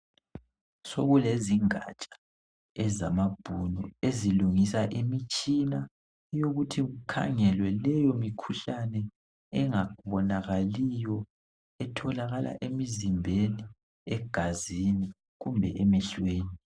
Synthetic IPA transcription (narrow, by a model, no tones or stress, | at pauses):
soɣuleziŋa̰t͡ʃʼḁ | ɛzamab̥ʱunɔeziluŋisaʔimit͡ʃʼina | joɣutʰiɣukʰa̰ŋɛlwɛlɛjɔmikʰuɬanɛ | ɛŋauβɔnaɣalijɔ | ɛtʰɔlaɣalʔa̰ʔemizimbʱeni | ɛɡ̥ʱazini | ɣumbʱɛʔɛmɛɬweːni